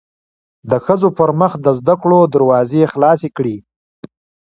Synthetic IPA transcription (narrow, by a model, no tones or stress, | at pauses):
d̪əxəzopəɾməxd̪əzd̪akɽod̪aɾwɑzexlɑsekɽi